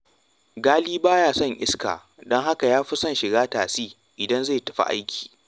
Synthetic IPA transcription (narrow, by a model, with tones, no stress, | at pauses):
ɡaː˦liː˦baː˦jaː˦˨sɐ˦˨ŋʔɪ˦ska̰ː˨ | dɔ˦ŋɦa˦ka˨jaː˦ɸʊ˦sɐ˦nʃɪ˨ɡaː˦taː˨siː˦ | ʔɪ˨dɐ˦nze˦˨tɐ̥˨ɸa̰˦ʔa̰˦jkʲʰi̥ː˨